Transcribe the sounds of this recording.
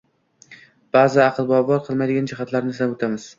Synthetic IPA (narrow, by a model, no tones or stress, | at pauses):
b̥azɪaqʰɨlˠbɒbɒɾqʰɨlˠmajd̪ɪɡʲand͡ʒɪɦat̪ʰlaɾnɪslapot̪ʰamɪz̥